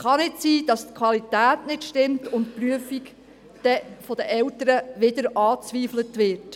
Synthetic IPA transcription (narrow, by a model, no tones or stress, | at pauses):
χɑnɪtsiːd̥ɑstkʰʋɑlitæːtnɪtʃtɪmtʊntpryəfik | d̥ɛfɔd̥əʔɛwtəɾəʋɪdəɾɑːt͡sʋiːflətʋɪɾt